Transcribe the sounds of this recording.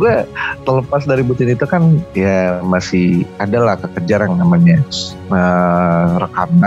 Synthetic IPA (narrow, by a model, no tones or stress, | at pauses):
ɡuat̪ələpasdaɾibut̪ɪnit̪ukanjamasɪhadalahkəkəd͡ʒaɾannamaɲa | ə | ɾəkana